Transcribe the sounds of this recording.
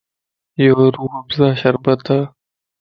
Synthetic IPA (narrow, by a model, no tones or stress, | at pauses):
joːɾuːɐbzaːɕɐɾbɐt̪a